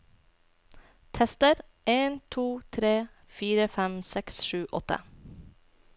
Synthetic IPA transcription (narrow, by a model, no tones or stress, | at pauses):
t̪ʰɛst̪əɾ | ʔeːnt̪ʰuːt̪ʰɾeː | fiːɾəfɛmsɛksʃʉːʔɔt̪ə̰